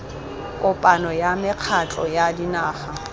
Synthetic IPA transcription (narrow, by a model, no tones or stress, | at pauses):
kʼʊpʼanɔjamɪq͡χʰat͡ɬʼɔjadinaːχa